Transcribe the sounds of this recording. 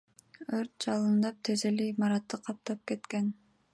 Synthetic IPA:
øɾt̪̚d͡ʒɑlˠɯnd̪ɑp̚t̪ʰezelimɑɾɑt̪ːɯqʰɑp̚t̪ɑp̚ke̞t̪ke̞n

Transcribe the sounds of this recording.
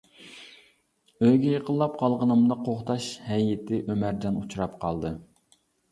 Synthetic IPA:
øjɡʲɛjeqʰəlˠːɑp̚qʰɑlˠʁənɨmd̪ɑqʰoχt̪ɑʃhɛjɪt̪ʰɪʔømæɾd͡ʒɑnut͡ʃʰuɾɑpqʰɑlˠd̪ɨ

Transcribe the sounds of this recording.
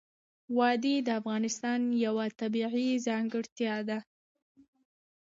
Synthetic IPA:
wɑd̪id̪əafɣɑnɪst̪ɑnjawat̪abiʕizɑŋɡɪɽt̪jɑd̪a

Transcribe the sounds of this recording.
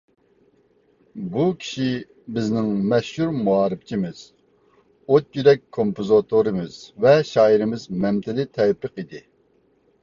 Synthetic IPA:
bukʲʰi̥ʃi | bɪznɪŋmɛʃhuɾmuɑːɾɨpt͡ʃʰimɪz̥ | ot̪̚jyɾɛk̚ʲkʰːompozot̪ʰoɾɨmɪz̥vɛʃɑːiɾɪmɪzmɛmt̪ʰɪlɪt̪ʰɛpːɨqid̪ɪ

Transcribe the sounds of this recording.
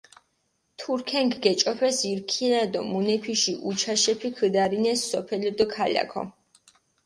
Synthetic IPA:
t̪ʰuɾkʰɛŋkʰɡɛt͡ʃʼɔpʰɛsiɾkʰiɾad̪ɔmunɛpʰiʃiʔut͡ʃʰaʃɛpʰikʰəd̪aɾinɛsɔpʰɛlid̪ɔkʰala̰kʰɔ̰

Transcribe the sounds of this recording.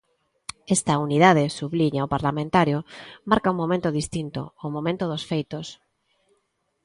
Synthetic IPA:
est̪ɐuniðaðesuβliɲaopaɾlamẽnt̪aɾjomaɾkauŋmomẽnt̪oðist̪int̪o̰ːmomẽnt̪oðosfejt̪os

